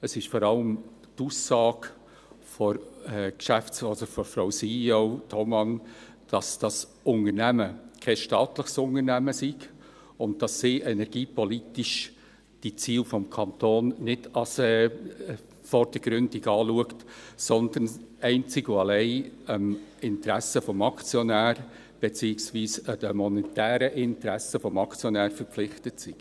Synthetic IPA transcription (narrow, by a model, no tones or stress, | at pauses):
əsɪʃfɔɾɑləm | tuːsːɑːɡ̥ | fɔɾɛkʃæft͡sɔdəfɔɾfɾaʊsiotʰɔmɑn | d̥ɑsd̥ɑs | ʊnərnæməkʰɛsʃtɑːtləχsʊnəɾnæməsiɡ | ʊnd̚d̥ɑsːiːʔɛnɛɾɡ̥iːpʰɔlitiʃ | d̥it͡siːlfɔmkʰɑnt̪oːnnɪd̥ɑsɛ | fɔrd̥əɡ̥ɾʏndiɡɑːluəktsɔnd̪ənɛɪnt͡sɪɡoɑlɛɪəmɪntɾæsəfɔmɑkt͡sjɔnæːɾ | b̥et͡siːɪksʋiːsəd̥əmɔnɛtæːɾəʔɪntɾæsəfɔmɑkt͡sjɔnæːɾfəɾpp͡flɪχtətsi̥